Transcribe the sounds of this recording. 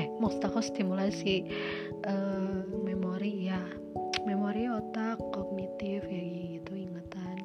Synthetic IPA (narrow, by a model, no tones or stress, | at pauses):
mɔst̪akɔst̪imulasi | ʔəmɛmoɾija | memoɾiɔt̪akːɔɡ̚nit̪ifjaɡiɡit̪uiŋət̪an